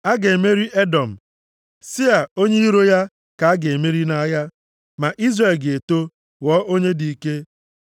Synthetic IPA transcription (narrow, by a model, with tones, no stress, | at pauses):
a˦ɡe˨me˦ɾi˦ʔe˦dɔ˨m̩˨ | si˦a˨o˦ɲe˦i˦ɾo˦ja˦ | ka˨a˦ɡe˨e˨me˦ɾi˦na˦ja˦ | ma˨ʔi˦zre˨lɡe˨to˦ | wɔː˦ʔo˦ɲe˦di˨ke˦